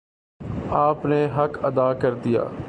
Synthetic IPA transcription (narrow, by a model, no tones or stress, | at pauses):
aːpneɦɐkɐd̪aːkəɾd̪ija̰ː